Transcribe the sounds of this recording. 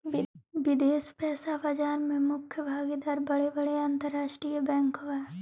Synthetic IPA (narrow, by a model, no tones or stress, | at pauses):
ʋɪd̪eːspɛːsabad͡ʒaːɾmẽmʊkʰjəbʱaːɡed̪aːɾbɐɽebəɽeãnt̪əɾːaːʃʈɾijəbɛ̃ːŋkoʋɛː